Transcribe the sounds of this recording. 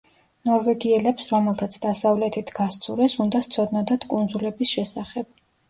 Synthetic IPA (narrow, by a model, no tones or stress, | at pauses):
nɔɾvɛɡiɛlɛpsɾɔmɛlˠt̪ʰat̪sʰd̪asavlɛt̪ʰit̪ʰɡ̥ast̪sʰuɾɛsund̪ast̪sʰɔd̪nɔd̪at̪ʰkʼund̪zulɛbisʃɛsaχɛb̥